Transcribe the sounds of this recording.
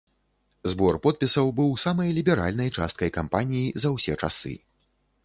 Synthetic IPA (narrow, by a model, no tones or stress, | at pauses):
zbɔrpɔt̪̚pʲisɐwbɨwsamɐjlʲibʲɛɾa̰lʲnɐjt͡ʂa̰st̪̚kɐjkampanʲijizɐwsʲɛt͡ʂa̰sɨ̰